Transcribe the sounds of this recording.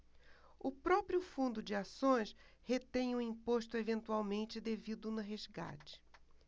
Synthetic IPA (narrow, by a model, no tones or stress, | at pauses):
ʊpɾɔpɾjʊfũnd̪ʊd͡ʒɪasõj̃shet̪ẽj̃ũĩpoʃt̪ʊevẽnt̪uawmẽnt͡ʃɪd̪evid̪ʊnʊɦezɡa̰t͡ʃɪ̥